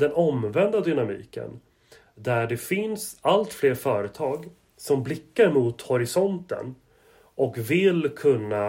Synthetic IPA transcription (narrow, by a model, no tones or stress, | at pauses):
d̪ɛnɔmvɛnd̪ad̪ʏnamḭːkə̰n | d̪æɖɛfɪnsalt̪fleːɾfœːɾət̪ʰɑːɡ | sɔmblɪkːaɾmuːt̪hɔɾɪsɔnt̪ə̰n | ɔkvɪlkʰɵnːa